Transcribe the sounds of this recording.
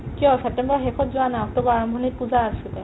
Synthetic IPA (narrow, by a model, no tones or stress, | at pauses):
kijɔsɛp̚tɛmbɔɹxɛkʰɔtzʊanaɔk̚tɔbɔaɹɔmbʱɔnit̚puzaːsitɛ